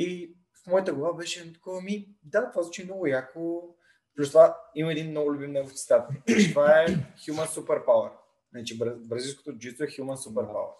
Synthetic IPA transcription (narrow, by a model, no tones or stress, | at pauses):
i | fmɔjt̪əɡlˠɐvabɛʃɛnt̪kɔvəmi | d̪at̪vaznɔt͡ʃinɔɡʊjako | plust̪ovaimɐɛd̪inːɔɡʊlʲʊbimnɛɡoft̪ʲist̪at̪t̪ovaɛxjumənsupɛɾpawəɾ | nat͡ʃibɾəbɾɐzijsko̥t̪od͡ʒit̪t̪voɛxjumənsupɛɾpa̰wə̰ɾ